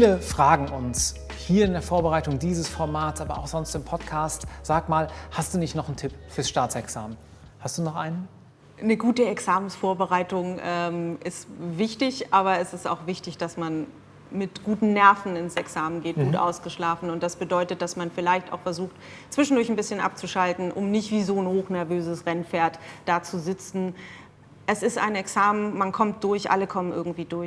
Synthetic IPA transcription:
fiːləfʁ̥aːɡŋ̩ʔʊns | hiːɐɪndeːɐfoːɐbəʁaɪtʊŋdiːzəsfɔɐmaːtsʔaːbɐa̰ʊxz̥ɔnstɪmpʰɔtkʰaːstz̥aːkmaːlhast̚d̥uːnɪçtnɔχn̩tʰɪpfyːɐsʃtaːtsɛksaːmən | hastd̥uːnɔχʔa̰ɪnən | nəɡuːtəɛksaːmənsfoːɐbəʁaɪtʊŋʔɛːmɪstvɪçtɪçʔaːβɐɛsɪsta̰ʊxv̥ɪçtɪçd̥asman | mɪtɡ̥uːtn̩nɛɐfn̩ɪnsɛksaːmənɡeːt̚ɡɡ̥uːtʔa̰ʊsɡ̥əʃlaːfn̩ʊnt̚d̥asb̥ədɔʏtət̚d̥asmanfɪlaɪçta̰ʊxfɛɐzuːxtt͡sv̥ɪʃn̩dʊɐçnbɪsçənʔa̰p̚t͡suʃaltn̩ʔʊ̰mnɪçtv̥iːzoːnhoːxnɛɐvøːzəsʁɛnfeːɐtd̥aːt͡suzɪt͡sn̩ | ʔɛsɪsta̰ɪnɛksaːmənmankʰɔmt̚d̥ʊɐçʔa̰ləkʰɔmənʔɪ̰ɐɡŋ̩tv̥iːdʊɐç

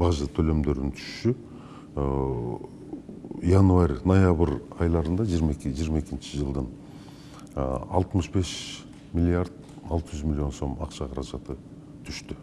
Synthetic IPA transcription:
bɑʒət̪ʰølø̞md̪ø̞ɾɪnt̪ʰʏ̥ʃʃy | jɑnuɑɾʲnojabəɾɑjlˠɑɾənd̪ɑʒijɾmkʒijɾmɑe̞kʲɪnʃɪʒəlˠd̪ən | ɑ̰lˠt̪əməʃbe̞ʃ | mʲilʲːiaɾd̪ | ɑ̰lˠt̪əʒʏzmilʲːjo̞nso̞mɑqʃɑqʰɑɾɑʒɑt̪ə | t̪ʰʏʃt̪ɪ

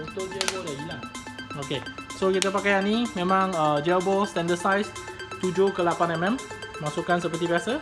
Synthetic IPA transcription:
ut̪ʊk̚d͡ʒɛlboldaɡila | okesokit̪ap̬akajanimẽmãŋəd͡ʒɛlbɔlst̪ɛ̃ndəsajst̪ud͡ʒokəlapanɛmɛ̃mmasukansəpərt̪̬ibiasa

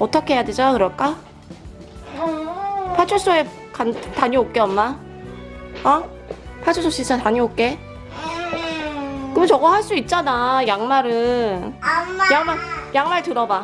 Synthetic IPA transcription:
ʌt͈ʌkʰeɦejadwed͡ʑakɯɾʌɭk͈a | pʰat͡ɕʰos͈oe | kantaɲiok̚k͈eʌmma | a | pʰat͡ɕʰosʰoɕ͈isʰataɲiok̚k͈e | kɯmɯnt͡ɕʌɡʌhaɭs͈uit̚t͡ɕ͈anajaŋmaɾɯn | jaŋmajaŋmaɭtɯɾʌba

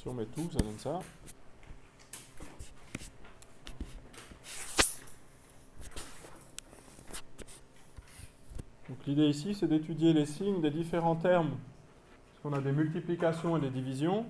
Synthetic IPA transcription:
siɔ̃mɛt̪usanɛnsa | d̪̥ɔ̃klid̪eisisɛd̪et̪yd̪jelesiɲd̪ed̪ifeʁɑ̃t̪ɛʁm | i̥skɔ̃nad̪emylt̪iplikʲasjɔ̃ed̪ed̪ivizjɔ̃

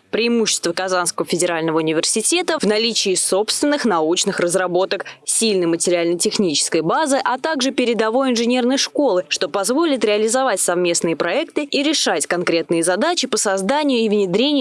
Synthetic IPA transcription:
pɾʲɪːmuɕːɪ̥st̪vəkɐzanskəvəfʲɪdʲɪɾalʲnəvəʊnʲɪvʲɪrsʲɪtʲe̞t̪əvnɐlʲit͡ɕɪːso̞pst̪vʲɪnːɨxnɐut͡ɕnɨxrəzrɐbo̞t̪əksʲilʲnɨjmətʲɪɾʲɪalʲnətʲɪxnʲit͡ɕɪ̥skəjbazɨʔɐt̪aɡʐɨpʲɪɾʲɪd̪ɐvo̞jɪnʐɨnʲe̞rnəjʂko̞lˠɨʂt̪o̞pɐzvo̞lʲɪt̪ɾʲɪɐlʲɪzɐvatʲsɐvmʲe̞snɨjəpɾɐɛkt̪ɨiɾʲɪʂatʲkɐnkɾʲe̞t̪nɨjɪzɐd̪at͡ɕɪpəsɐzd̪anʲɪjʊivnʲɪd̪ɾʲenʲɪj

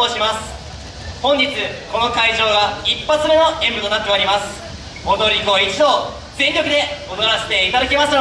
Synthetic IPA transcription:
oːɕimasɨ̥ | hõ̞ɲ̟d͡ʑit͡sɨko̞no̞kaiʑo̞ːɡaipːat͡sɨme̞no̞ẽ̞mbɯ̟t̪o̞nat̪ːe̞aɾʲimasɨ̥ | mo̞d̪o̞ɾʲiɡo̞it͡ɕid̪o̞ː | d͡zẽ̞ŋkʲo̞kɯ̟d̪e̞od̪oɾaɕe̥t̪e̞it̪ad̪akʲemas

